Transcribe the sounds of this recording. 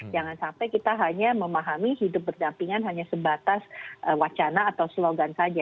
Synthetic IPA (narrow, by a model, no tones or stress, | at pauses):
d͡ʒaŋansampajkit̪aɦaɲaməmaɦamihidʊp̚bərdampiŋanɦaɲasəbat̪asʔəwat͡ʃanaːt̪awsloɡansad͡ʒa